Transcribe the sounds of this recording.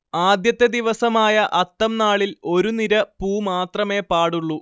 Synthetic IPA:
aːd̪jɐt̪ːed̪iʋɐsɐmaːjɐʔɐt̪ːɐmnaːɭilo̞ɾuniɾɐpuːmaːt̪rɐme̞ːpaːɽuɭːu

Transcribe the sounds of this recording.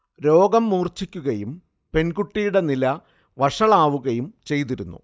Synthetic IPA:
ɾo̞ːɡɐmːuːrt͡ɕikʲːuɣɐjum | pe̞nɡuʈːijuɽe̞nilɐ | ʋɐʂɐɭaːʋuɣɐjumt͡ɕe̞jt̪̬iɾunːṵ

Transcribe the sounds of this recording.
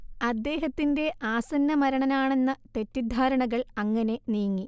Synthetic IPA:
ɐd̪ːe̞ːɦɐt̪ːinde̞ʔaːsɐnːɐmɐɾɐɳɐnaːɳe̞nːɐt̪e̞tːid̪ʱaːɾɐɳɐɣɐɭɐŋːɐne̞nijŋːi

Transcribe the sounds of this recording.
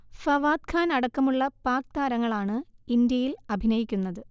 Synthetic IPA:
fɐʋaːd̪kʰaːnɐɽɐkːɐmuɭːɐpaːkt̪aːɾɐŋːɐɭaːɳɨind̪jɐjilɐbʱinɐjikʲːunːɐðɨ

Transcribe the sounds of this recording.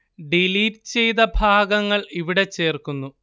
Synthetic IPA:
ɖiliːʈt͡ɕe̞jt̪ɐbʱaːɡɐŋːɐɭiʋiɽe̞t͡ɕːe̞ːrkunːu

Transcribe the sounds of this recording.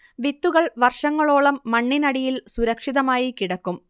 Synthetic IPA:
ʋit̪ːuɣɐɭʋɐrʂɐŋːɐɭoːɭɐmːɐɳːinɐɽijilsuɾɐkʂiðɐmaːjikiɽɐkːum

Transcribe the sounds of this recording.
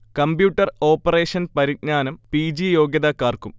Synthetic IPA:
kɐmbjuːʈːɐro̞ːpːɐreːʂɐnpɐɾitɲaːnɐmpiːd͡ʑijo̞ːɡjɐðɐkːaːrkum

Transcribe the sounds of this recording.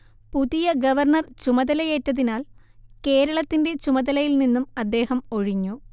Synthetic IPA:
puðijɐɡɐʋɐrɳɐrt͡ɕumɐðɐlɐjeːtːɐðinaːl | ke̞ːɾɐɭɐt̪ːinde̞t͡ɕumɐðɐlɐjilninːumɐd̪ːe̞ːhɐmoɻiɲːu

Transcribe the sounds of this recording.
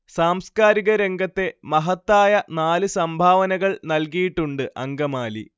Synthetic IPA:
saːmskaːɾiɣɐɾe̞ŋɡɐt̪ːe̞mɐɦɐt̪ːaːjɐnaːlɨsɐmbʱaːʋɐnɐɣɐɭnɐlkijiʈːuɳɖɨʔɐŋɡɐmaːlḭ

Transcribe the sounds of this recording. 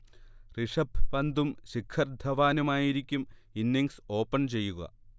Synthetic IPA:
riʂɐbʋɐnd̪umɕikʰɐrd̪ʱʰɐʋaːnumaːjiɾikʲːuminːiŋɡso̞ːpːɐɳt͡ɕe̞jːuɣɐ̰

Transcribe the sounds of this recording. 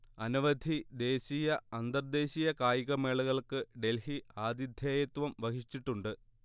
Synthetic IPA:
ɐnuʋɐd̪ʱid̪e̞ːɕijɐɐnd̪ɐrd̪e̞ːɕijɐkaːjiɣɐme̞ːɭuɣɐɭkɨɖe̞lhiaːd̪jid̪ʱjeːjɐt̪ʋɐmʋɐɦit͡ɕːiʈːuɳɖɨ

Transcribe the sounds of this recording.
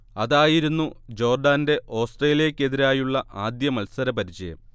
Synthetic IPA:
ɐðaːjiɾunːud͡ʑo̞ːrɖaːnde̞ʔo̞ːsʈreːlijeɐkʲːe̞ðiɾaːjuɭːɐʔaːd̪jɐmɐlsɐɾɐpɐɾit͡ɕːɐjɐ̰m

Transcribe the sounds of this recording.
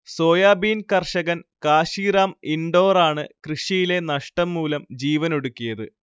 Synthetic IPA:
so̞ːjaːbiːnkɐrʂɐɣɐnkaːɕiːraːmiɳɖo̞ːraːɳɨkrɨʂijile̞nɐʂʈɐmːuːlɐmd͡ʑiːʋɐno̞ɽukːijɐðɨ

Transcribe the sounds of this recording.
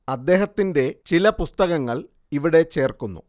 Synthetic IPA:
ɐd̪ːe̞ːɦɐt̪ːinde̞t͡ɕilɐpust̪ɐɣɐŋːɐɭ | iʋiɽe̞t͡ɕe̞ːrkunːṵ

